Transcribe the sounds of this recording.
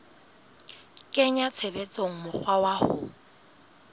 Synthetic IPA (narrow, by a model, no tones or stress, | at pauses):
kʼɛɲat͡sʰebet͡sʼoŋ̩mʊk͡xʰwawahʊ